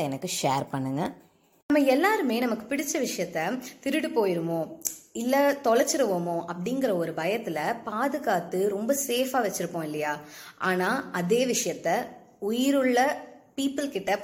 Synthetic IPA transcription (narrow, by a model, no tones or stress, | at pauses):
ɛnɐkːɯʂeːɾpɐɳːɯŋɡɐ | nɐmːɐɛlːaːɾɯmeːnɐmɐkːɯ̥pɪɽɪt͡ʃːɐʋɪʂɐjɐt̪ːɐt̪ɪɾɯɽɯpoːjɪɾɯmõːɪlːɐt̪ɔɭɐɾt͡ʃːɪɾɯʋoːmõːʔɐpːɐɽɪŋɡɪɾɐɔɾɯbɐjɐt̪ːɪlɐpaːðɯɣaːt̪ːɯɾɔmbɐseːfaːʋɛt͡ʃːɪɾɯpːõːɪlːɐjaːʔaːnaːɐðeːʋɪʂɐjɐt̪ːɐ | ʊjɪɾɯɭːɐpiːpːɯlkɪʈːɐ